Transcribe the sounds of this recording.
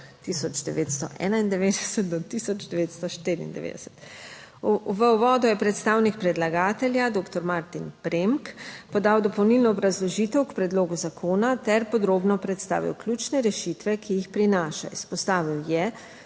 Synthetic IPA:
t̪isɔd͡ʒd̪ɛʋet̪st̪ɔʔɛ̰ːnaind̪ɛʋed̪ɛsət̪̚d̪ɔt̪isɔd͡ʒd̪ɛʋeːt̪st̪ɔʃt̪eɾḭːnd̪ɛ̰ʋḛːd̪ɛ̰sɛ̥t̪ | ʋəwʋɔːd̪ɔjɛpɾɛt̪st̪aːwnik̚pɾɛd̪laɡaːt̪ɛljad̪oːkt̪ɔɾmaɾt̪inpɾemkpɔd̪aːwd̪ɔpɔwnilnɔːbɾazlɔʒiːt̪ɛwkpɾɛd̪loːɡuzakʰoːnat̪ɛɾpɔd̪ɾoːbnɔpɾɛt̪st̪a̰ːʋḭwklʲjut͡ʃnɛɾɛʃit̪ʋɛkʰijixpɾinaːʃa̰ispɔst̪aːʋiwjɛ

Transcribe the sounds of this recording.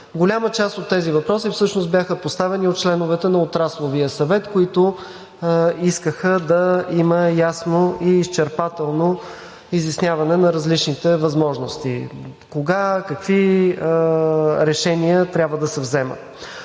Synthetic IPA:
ɡʊlʲamət͡ʃast̪ot̪ːɛzivɐpɾɔsifsɤʃnost̪bʲjaxəpost̪avɛniot̪̚t͡ʃlɛnʊvɛt̪ɛnɐot̪ɾaslˠovijəsɐvɛt̪koit̪ʊ | iskəxəd̪ɐiməjasnoiːst͡ʃɛɾpat̪ɛlˠno | izɐsnʲjavɐnɛnɐɾɐzlit͡ʃnit̪ɛvɐzmɔʒnost̪ḭ | koɡakɐkvi | ɾɛʃɛniət̪ɾʲabvəd̪ɐsɛvzɛmə̰t̪

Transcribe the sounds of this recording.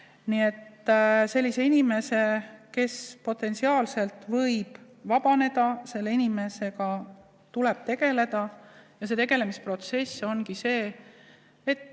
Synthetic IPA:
nie̞t̪ːse̞lʲːise̞inime̞se̞ke̞spo̞t̪ːˑe̞nsiɑːlse̞lt̪ːˑvɤjb̥ | vɑb̥ɑne̞d̪̥ɑse̞lːeinime̞se̞ɡɑ | t̪ule̞b̥̚t̪e̞ɡ̥e̞le̞d̪̥ɑjɑse̞t̪e̞ɡe̞le̞mispro̞t̪se̞so̞nkise̞ː | t̪ː

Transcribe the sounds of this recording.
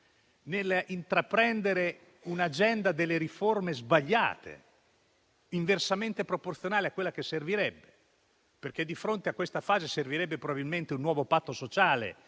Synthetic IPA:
nelint̪ɾapɾɛnd̪eɾe | unad͡ʒɛnd̪ad̪elːeɾiformezbaʎːa̰ːt̪ʰḛ | iɱversament̪epɾoport̪sjonaːleakːwelːakesːerviɾɛbːe | perk̟ed̪ːifɾont̪eakːwest̪afaːzeserviɾɛbːepɾobabilment̪eunːwɔːvopat̪ːosot͡ʃaːlḛ

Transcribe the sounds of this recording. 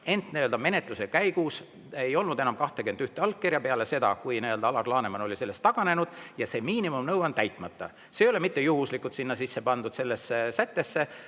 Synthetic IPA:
e̞nt̪niø̞ld̪ɑme̞ne̞t̪ˑlusekæjɡus | ejo̞lnud̪enɑmkɑht̪ekyend̪yht̪eɑlkːerjɑpeɑle̞se̞d̪ɑ̰kujniø̞ld̪ɑɑlɑrlɑːne̞mɑno̞lʲise̞lːe̞st̪ːɑɡ̥ɑne̞nud̪̥jɑse̞miːnimumnɤwɑnt̪æjt̪ˑmɑt̪ːˑɑ̰ | se̞jole̞mit̪ːe̞juɦuslikːˑut̪sinːɑsisːepɑnd̪ud̪se̞lːe̞sːesæt̪ːe̞sːe̞

